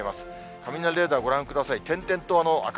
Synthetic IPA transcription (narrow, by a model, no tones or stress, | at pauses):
imasɨ̥ | kʰamʲinaɾɾe̞ːd̪aːɡo̞ɾãŋkɯ̟d̪asait̪ẽ̞nt̪ẽ̞nt̪o̞ano̞a̰k